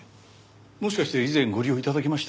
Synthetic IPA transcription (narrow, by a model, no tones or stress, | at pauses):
mo̞ɕi̥kaɕi̥t̪eizẽ̞ŋɡo̞ɾʲio̞it̪ad̪ak̬ʲemaɕi̥t̪